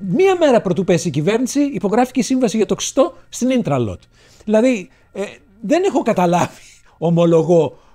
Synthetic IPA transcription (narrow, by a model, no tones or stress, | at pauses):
miɐme̞ɾɐpɾo̞t̪upesicive̞ɾnisiːpo̞ɣɾɐfi̥cesiɱvɐsiʝɐt̪o̞ksi̥st̪o̞st̪inint̪ɾɐlo̰t̪ | ðilɐði | ðe̞nexo̞kɐt̪ɐlɐv̥i̥ | omo̞lo̞ɣo̞